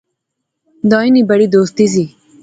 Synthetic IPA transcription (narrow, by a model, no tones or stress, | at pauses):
d̪ɔːinibɐɽid̪oːst̪iz̬i